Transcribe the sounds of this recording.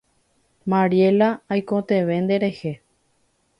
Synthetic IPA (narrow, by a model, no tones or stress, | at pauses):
maɾie̞laajkot̪e̞ʋe̞nd̪e̞ɾe̞he̞